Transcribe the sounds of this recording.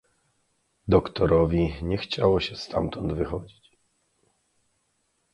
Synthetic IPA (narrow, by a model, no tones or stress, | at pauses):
d̪ɔkt̪ɔɾɔvʲiɲɛxt͡ɕawɔɕɛst̪ʰa̰mt̪ɔnd̪vɘxɔd͡ʑit͡ɕ